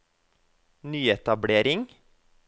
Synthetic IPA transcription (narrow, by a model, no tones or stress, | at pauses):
nyːɛt̪ɑbɽeːɾɪŋ